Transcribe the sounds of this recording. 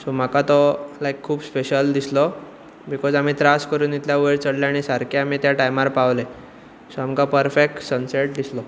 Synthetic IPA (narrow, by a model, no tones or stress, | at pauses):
som̤akat̪ɔlajkʰːuːbspeɕəld̪islɔ | bikɔd͡zam̤iːt̪ɾaskəɾuːnit̪ljaʋeɾt͡səɽljaɽ̃isaɾkʰaam̤it̪jaʈajmaɾpaʋle | soamkapəɾfek̚ʈsənseʈ̚d̪islɔ